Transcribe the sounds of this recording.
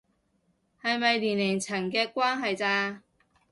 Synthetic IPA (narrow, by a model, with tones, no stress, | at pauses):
hɐ˨jmɐ˨jliː˨˩neː˨˩ŋt͡sʰɐ˨˩nkɛː˧kwaː˥nɦɐ˨jt͡saː˧